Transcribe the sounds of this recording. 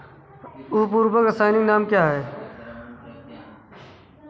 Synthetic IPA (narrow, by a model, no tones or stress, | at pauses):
uɦpuːɾbəkəsaːɪnɪ̃ŋɡnaːmkjaːɦɛː